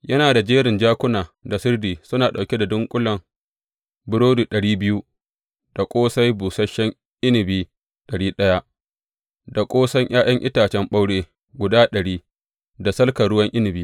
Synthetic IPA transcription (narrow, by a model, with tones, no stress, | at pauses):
jɐ˦naː˨da˨d͡ʒeː˦ɾɪ˨nd͡ʒaː˦kʷʊ˦naː˨da˨sʊ˦rdiː˨sʊ˦naː˨ɗa˨wkʲe˦da˨dʊ˦ŋkʷʼʊ˦lɐ˨m | bʊ˦ɾoː˦duː˨ɗɐ˨ɽiː˦bɪ˦ju˦ | d̥a˨kʷʼoː˦sa˦jbuː˨sɐ˦ʃːɛ˦ŋ | ʔɪ˦nɪ˨biː˦ | ɗɐ˨ɽiː˦ɗɐ˦ja˦ | da˨kʷʼoː˦sɐ˦ŋʔaː˦jɐ˦ŋʔɪ̰˦taː˨t͡ʃɛ˦mɓa˦wɽeː˦ | ɡʷʊ˨daː˦ɗɐ˨ɽiː˦ | da˨sɐ˦lkɐ˨ɽʊ˦wɐ˦ŋʔɪ˦nɪ˨biː˦